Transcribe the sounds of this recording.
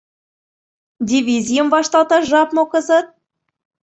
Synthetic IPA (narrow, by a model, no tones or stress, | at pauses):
dʲivʲizʲijə̆mvɑʃt̪ɑlt̪ɑʒɑpmŏkɤzɤt̪̚